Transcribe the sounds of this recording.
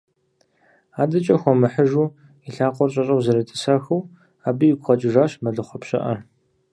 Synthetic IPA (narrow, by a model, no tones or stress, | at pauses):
aːdɐt͡ʃʼɐxʷɔmɨħəʒuː | iɬaːqʷʼɔrɕʼɐɕʼɐwzɐɾɐtʼɨ̥saːxɐw | aːbɨjɪɡʷχɐt͡ʃʼɪʒaːɕmɐɮɨχʷɔpɕʼɐ̰ʔɐ